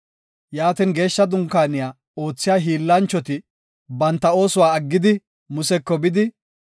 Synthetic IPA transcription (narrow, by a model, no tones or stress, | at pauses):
jaːt̪iːnɡe̞ːʃːɐd̪ʊŋkaːnɪjaː | o̞ːt͡sːɪjaːɦiːlːɐnt͡ʃːɔt̪ɪ | bɐnt̪ːɐo̞ːsʊwaːɐɡːɪd̪ɪ | mʊsɛkːɔbɪd̪ɪ